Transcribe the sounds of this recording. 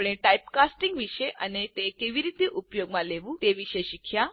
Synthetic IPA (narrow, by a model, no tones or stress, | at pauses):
ɽ̃eʈajpkasʈiŋɡʋiʃeʔənet̪ekeʋiɾiːt̪iʔupjoɡmãleʋũt̪eʋiʃeʃikʰja